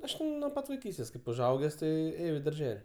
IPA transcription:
ˈɐʃ nuɔ ˈpɐt ʋɐɪˈkʲiːsʲtʲeːs kɐɪp ʊʒˈɐʊɡʲɛs ˈtɐɪ ˈeːjɛʊ ɪ dɐrʲˈʒʲɛlʲ

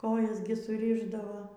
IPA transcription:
ˈkoːjɛs ɡʲɪ sʊˈrʲɪʒdɐʋoː

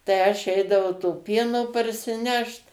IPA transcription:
tɐɪ ˈɐʃ ˈɛɪdɐʋɐʊ toː ˈpʲiɛnoː pɐrʲsʲɪˈnʲɛʃt

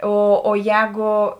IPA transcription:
ˈoː oː ˈjɛːɡoː

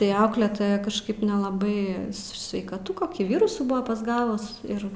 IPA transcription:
tɐɪ ˈɐʊklʲɛtoːjɛ kɐʃˈkɐɪp nʲɛlˠɐˈbɐɪ sʲʋʲɛɪkɐˈtʊ koːˈkʲiː ˈʋʲɪrʊsuː ˈbʊʋɐ pɐzˈɡɑːʋʊs ˈɪr

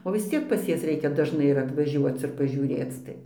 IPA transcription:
oː ʋʲɪs ˈt͡sʲiɛk pɐs ˈjɛs ˈrʲɛɪkʲɛ dɐʒˈnɐɪ ɪr ɐtʋɐˈʒʲuɔt͡s ɪr pɐʒʲuːˈrʲeːt͡s ˈtɐɪ

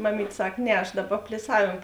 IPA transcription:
mɐˈmʲiːtʲ ˈsɐk ˈnʲɛ ɐʃ ˈdɑːˌbɐ pʲlʲɪˈsɑːʋʲeːm

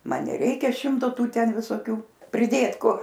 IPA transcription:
ˈmɐn nʲɛˈrʲɛɪkʲɛ ˈʃʲɪmtoː ˈtuː ˈtʲɛn ʋʲɪsoːˈkʲuː pʲrʲɪˈdʲeːt ˈkʊr

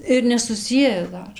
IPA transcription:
ɪr nʲɛsʊˈsʲiɛjɛ ˈdɐr

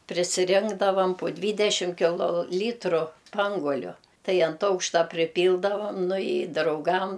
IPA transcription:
pʲrʲɪsʲɪˈrʲɪŋɡdɐʋɐm pʊ ˈdʲʋʲiːdʲɛʃʲɪm kʲɪˈlˠoː ˈlʲiːtrʊ ˈspɐŋɡuɔlʲʊ ˈtɐɪ ɐnt ˈɐʊkʃtɐ pʲrʲɪˈpʲiːlˠdɐʋɐm nʊ ɪ drɐʊˈɡɐm

